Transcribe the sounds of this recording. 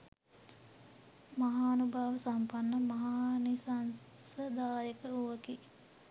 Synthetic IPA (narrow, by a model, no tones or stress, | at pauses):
maɦaːnubʱaːʋəsampanːəmaɦaːnisan | səd̪aːjəkəuʋəki